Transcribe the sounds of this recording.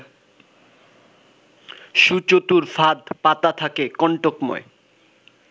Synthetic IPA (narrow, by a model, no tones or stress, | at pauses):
ʃut͡ɕot̪uɾfad̪pat̪at̪ʰakekɔɳʈokmɔ̰ḛ